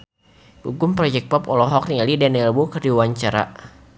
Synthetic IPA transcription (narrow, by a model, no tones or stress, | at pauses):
ṵɡʊmpɾɔd͡ʒɛk̚pɔpɔlɔɦɔk̚nialidɛnɛlwukərdiwaɲt͡ʃaɾa̰